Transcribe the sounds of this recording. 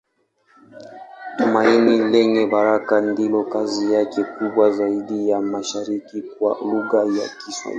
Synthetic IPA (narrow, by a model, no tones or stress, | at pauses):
tumainilɛŋɛɓaɾakandilɔkazijakɛkuɓwazaiɗijamaʃaɾikikwa̰luɣaja̰kiswa̰